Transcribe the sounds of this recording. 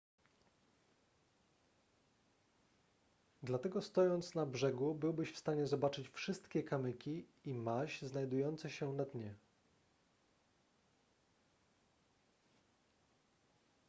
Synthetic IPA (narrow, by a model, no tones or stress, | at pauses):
d̪lat̪ɛɡɔst̪ɔjɔnt̪snabʐɛɡubɘwbɘɕfst̪aɲɛzɔbat͡ʂɘt͡ɕfʂɘst̪kʲɛkamɘkʲiimaɕznajd̪ujɔnt̪sɛɕɛnad̪ɲɛ